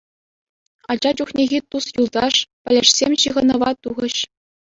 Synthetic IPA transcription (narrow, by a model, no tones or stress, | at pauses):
ɑd͡ʑɑd͡ʑuχnʲeɣʲit̪usjulˠd̪ɑʂpʲɘ̆lʲɘ̆ʂsʲemʲɕɯʁɤ̆nɤ̆ʋɑt̪uʁɤ̆ɕ